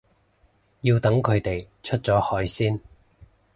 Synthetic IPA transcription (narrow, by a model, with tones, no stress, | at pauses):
jiː˧wt̪ɐ˨˥ŋkʰɵ˨˧ɥt̪e˨j | t͡ʃʰɵ˥t̚t͡sɔː˨˥hɔː˨˥jsiː˥n